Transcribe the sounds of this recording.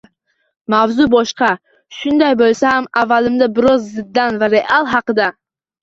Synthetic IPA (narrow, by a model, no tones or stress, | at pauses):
mavzʊbɒʃqɑ | ʃʊnd̪ajbolˠsahamavːalɪmd̪abɪɾɒzːɪd̪ːanvaɾe̞ʔalˠɦɑqɨd̪a